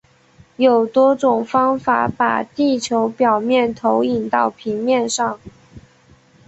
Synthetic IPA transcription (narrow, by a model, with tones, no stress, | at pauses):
jo˨˩ʊt̪wɔ˥ʈ͡ʂʊ˨˩ŋfɑ˥ŋfa̰˧˩pa̰˨˩t̪i˥˩t͡ɕʰjo˧˥ʊpjɑ˨˩ʊmjɛ˥˩nt̪ʰo˧˥ʊi˨˩nt̪ɑ˥˩ʊpʰi˧˥ŋmjɛ˥˧nʂɑ˥˩ŋ